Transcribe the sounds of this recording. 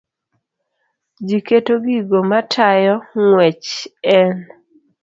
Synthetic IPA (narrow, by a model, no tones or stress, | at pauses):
d͡ʒiketoɡiɡomatʰajɔŋwɛt͡ʃɛn